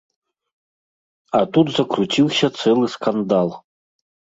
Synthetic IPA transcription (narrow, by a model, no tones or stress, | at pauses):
at̪ut̪zɐkrutʰʲilˠsʲɐt͡s̪ɛlˠɨskand̪alˠ